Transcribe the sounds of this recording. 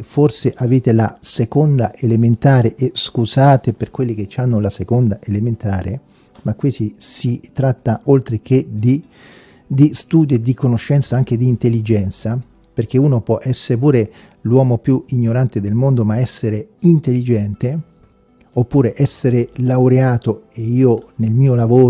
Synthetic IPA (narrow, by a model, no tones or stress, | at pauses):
forseʔaveːt̪ela̰sekond̪aʔelement̪aːɾeʔeskuzaːt̪eperkwelːik̟et͡ʃːanːolasekond̪aʔelement̪aːɾḛ | makːwisisit̪ɾat̪ːaolt̪ɾek̟ed̪i | d̪ist̪uːd̪od̪ikonoʃːɛnt̪saaŋk̟ed̪iːnt̪elːid͡ʒɛnt̪sa | perk̟euːnopwɔʔɛsːeɾep̬uːɾe | lwɔːmopjuiɲːoɾant̪ed̪elmond̪omaɛsːeɾeint̪elːid͡ʒɛnt̪e | opːuːɾeʔɛsːeɾelawɾeaːt̪oeiːonelmiːolavoː